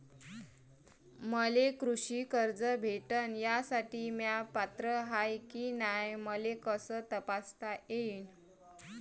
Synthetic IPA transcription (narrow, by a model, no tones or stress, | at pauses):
məlekɾuɕiːkəɾd͡zəbʱeʈənjasaʈiːmjapat̪ɾəɦajkinajməlekəsət̪əpast̪aʔein